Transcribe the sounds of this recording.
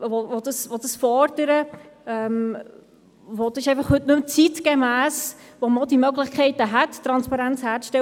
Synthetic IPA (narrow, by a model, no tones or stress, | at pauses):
ʋovod̥əsʋod̥əsfɔɾdəɾəɛm | vod̥sɪʃɛɪfɑχhɵtnɵmt͡sitɡ̥emæːsʋomɑlˠdimœɡlɪχkʰɛɪtəɦætːɾɑnspɑɾænt͡shæːɾt͡sʃtɛ